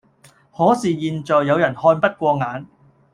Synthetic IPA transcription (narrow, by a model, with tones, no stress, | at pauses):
hɔː˨˥siː˨jiː˨˧nt͡sɔː˨jːɐ˨˧wjɐ˨˩nhɔː˧npɐ˥t̚kʷɔː˧ŋaː˨˧n